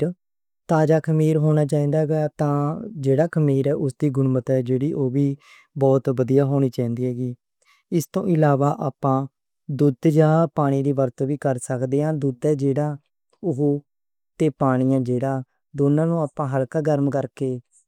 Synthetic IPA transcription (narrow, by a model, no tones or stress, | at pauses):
t̪aːd͡ʒaːkʰəmiːɾɦoːɽ̃aːt͡ʃaːĩːd̪aːɡəaːt̪ãːd͡ʒeːɽaːkʰəmiːɾɛːʔʊsd̪iːɡʊnmət̪ɦɛːd͡ʒeːɽiːʔoːʋiː | bɔːt̪bəd̪ijaːɦoːɽ̃iːt͡ʃaːĩːnd̪iːɦɛːɡiː | ɪst̪õ̰ːʔɪlaːʋaːʔaːpãː | d̪ʊd̪d͡ʒaːpaːɽ̃iːɾiːʋəɾt̪ʋiːkəɾsəkd̪eːãːd̪ʊd̪ɛːd͡ʒeːɽaː | ʊɦ | t̪eːpaːɽ̃ijãːd͡ʒeːɽaː | d̪oːnãːnũːaːpãːɦəlkaːɡəɾmkəɾkeː